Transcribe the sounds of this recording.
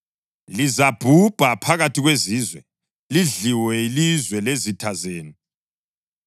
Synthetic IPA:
lizab̥ʱub̥ʱapʰaɣatʰiɣweziːzwɛ | liɮiwɛilizwɛlezitʰazeːni

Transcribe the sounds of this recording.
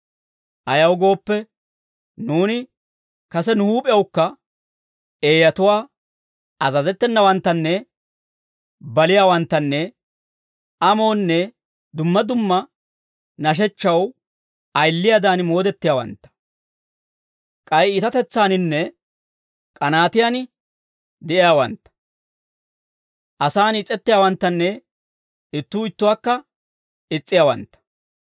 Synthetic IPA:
ʔɐjɐwɡo̞ːpːɛ | nuːnɪ | kɐsɛnʊhuːpʼɪjɐwkːɐ | e̞ːjɐt̪ʊwaː | ɐzɐzɛt̪ːɛnːɐwɐnt̪ːɐnːɛ | bɐlɪjaːwɐnt̪ːɐnːɛ | ʔɐmo̞ːnːɛ | d̪ʊmːɐd̪ʊmːɐ | nɐʃ̬ɛt͡ʃːɐw | ɐjlːɪjaːd̪aːnmo̞ːd̪ɛt̪ːɪjaːwɐ̰nt̪ːɐ̥ | kʼɐjɪt̪ɐt̪ɛt͡sːaːnɪnːɛ | kʼɐnaːt̪ɪjan | d̪ɛʔɪjaːwɐnt̪ːɐ̥ | ʔɐsaːnɪt͡sʼːɛt̪ːɪjaːwɐnt̪ːɐnːɛ | ɪt̪ːuːɪt̪ːʊwaːkːɐ | ɪt͡sʼːɪjaːwɐ̰nt̪ːɐ̥

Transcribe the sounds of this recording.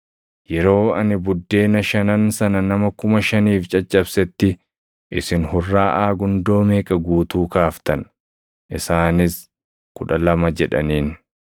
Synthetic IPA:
jɛɾo̞ːɐ̰nɪbʊd̪ːe̞ːnɐʃɐnɐnsɐnɐnɐmɐkʊmɐʃɐniːft͡ʃʼɐt͡ʃʼːɐbsɛt̪ːɪ | ʔɪsɪnhʊrːaːʔaːɡʊnd̪o̞ːmeːkʼɐɡuːt̪uːkaːft̪ɐn | ʔɪsaːnɪs | kʊᶑɐlɐmɐd͡ʒɛᶑɐ̰niːn

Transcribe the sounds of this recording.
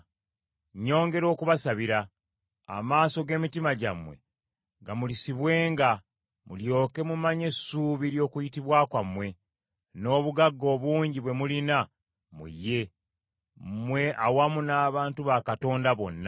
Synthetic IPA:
ɲo̞ːŋɡe̞ɾo̞ːkuβasaβiɾa̰ː | maːso̞ɡe̞ːmitimaɟamwe̞ | ŋɡamulisiβwe̞ːŋɡa | muljo̞ːke̞mumaɲe̞suːβiɾjo̞ːkujitiβwaːkwamwe̞ | no̞ːβuɡaɡːo̞ːβuːɲɟiβwe̞mulina | mṵjːe̞ | mwe̞ʔawamunaːβaːntuβakato̞ːndaβo̞̰nːa

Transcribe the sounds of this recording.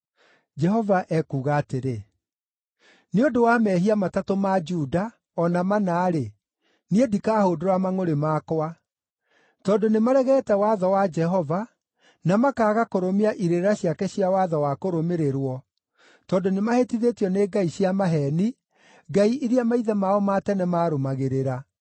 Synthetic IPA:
d͡ʒɛɦɔvaʔɛkuːɣaːteɾe | neodowamɛɦiamatatomad͡ʒuda | ɔnamanaːɾe | niedikaːhodoɾamaŋoɾemaːkowa | tɔdonemaɾɛɣɛːtɛwaðɔwad͡ʒɛɦɔva | namakaːɣakoɾomeaʔiɾeɾeɾaɕiakɛɕijawaðɔwakoɾomeɾeɾwɔ | tɔːndonemahetiðetjɔneːɡaiɕiamaɦɛni | ɡaiʔiɾiamaiðɛmaɔmatɛnɛmaːɾomaɣeɾeɾa

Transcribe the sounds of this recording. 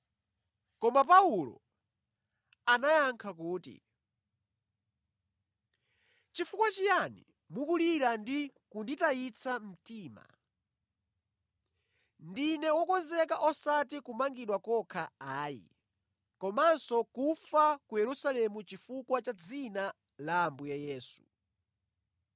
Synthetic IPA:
kɔmapaulɔ̰ | anajaŋkʰakuːtḭ | t͡ʃifukwat͡ʃijanḭ | mukuliɾandikunditait͡sʰam̩tiːma̰ | ndinɛwɔkɔnzɛkaʔɔsat̬ikumaŋɡiɗwakɔkʰaaːjḭ | kɔmansɔkufakujɛɾusalɛmut͡ʃifukwat͡ʃad͡zina | laːmbujajɛːsu̥̰

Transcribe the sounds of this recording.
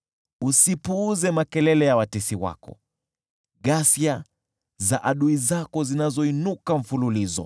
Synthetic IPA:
usipuːzɛmakɛlɛlɛjawatɛsiwa̰kɔ̰ | ɠasia | zaʔaɗuizakɔzinazɔinukam̩fululizɔ̰

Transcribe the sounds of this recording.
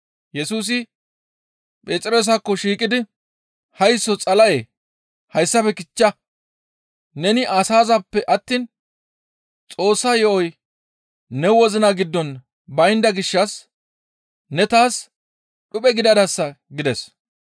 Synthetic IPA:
jɛsuːs̬ɪ | pʼeːt͡sʼɪɾo̞ːs̬ɐkːɔʃiːkʼɪd̪ɪ | hɐjsːɔt͡sʼɐlɐjeː | hɐjsːɐfɛkɪt͡ʃːɐ | nɛnɪʔɐsaːzɐpːɛʔɐt̪ːiːn | t͡sʼo̞ːsːaːjɔʔɔj | nɛwɔzɪnɐɡɪd̪ːɔn | bɐjnd̪ɐɡɪʃːɐs | nɛt̪aːs | ɗʊpʼɛɡɪd̪ɐd̪ɐsːɐ | ɡɪd̪ɛs

